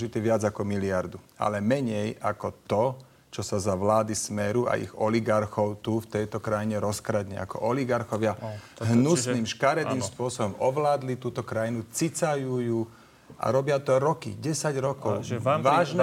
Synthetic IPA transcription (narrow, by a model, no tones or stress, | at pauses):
ʒit̪iʋɪad͡zakɔmiliaɾd̪ua̰lɛmɛɲɛjakɔt̪ɔ | t͡ʃɔsazaʋlaːd̪ismɛɾua̰ḭɣɔliɡaɾxɔʊt̪uft̪ɛjt̪ɔkɾajiɲɛɾɔskɾad̪ɲɛ̰a̰kɔ̰ʔɔliɡaɾxɔʋɪaɦnusniːmʃkaɾɛt̪niːmspʊɔsɔbɔmʔɔʋlaːd̪lit̪uːt̪ɔkɾajinut͡sit͡sajujuː | ʔa̰ɾɔbɪat̪ɔɾɔkḭɟɛsaɟɾɔkɔʊʋaːʒn